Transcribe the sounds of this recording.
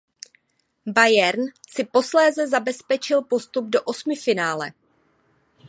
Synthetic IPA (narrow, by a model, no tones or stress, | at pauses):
bajɛɾnsɪpo̞slɛːzɛzabɛspɛt͡ʃɪlpo̞st̪ub̚do̞ʔo̞smɪfɪnaːlɛ̰